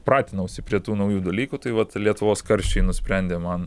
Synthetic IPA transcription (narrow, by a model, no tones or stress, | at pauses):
pɾɑːt̪ʲɪnɐʊʃʲsʲɪpʲɾʲiɛt̪uːnɐʊjuːd̪ɐlʲiːkuːt̪ɐɪʋɐt̪lʲiɛt̪ʊʋoːskɐɾʲʃʲt͡ʃʲɛɪnʊsʲpʲɾʲɛnʲd̪ʲeːmɐn